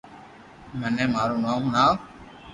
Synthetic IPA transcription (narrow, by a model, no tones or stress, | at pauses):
mənẽːmaːɾuːnaːɦũnaː